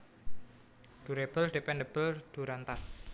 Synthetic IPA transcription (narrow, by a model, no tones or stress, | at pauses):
d̪̥uɾeb̥əlɖ̥epɛndeb̥əld̪̥ṳɾant̪as